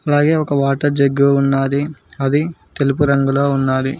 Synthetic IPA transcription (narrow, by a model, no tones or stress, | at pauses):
ɐlaːɡe̞ːɔkɐʋaːʈɐɾd͡ʒɐɡːuːnːaːd̪iɐd̪it̪e̞lupuɾɐŋɡulo̞ːunːaːd̪i